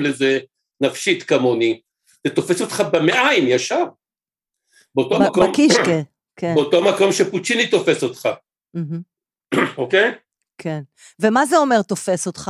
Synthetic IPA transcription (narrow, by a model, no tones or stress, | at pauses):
leze | nafʃit̪kamoni | zet̪o̞feso̞t̪χabemeʔaimjaʃaʁ | beot̪omomkiʃke | keeot̪oamako̞mʃeput͡ʃinit̪o̞fe̞so̞t̪χa | m̩ɦm̩ | okej | kʰen | vemazeomeʁt̪o̞fesot̪χa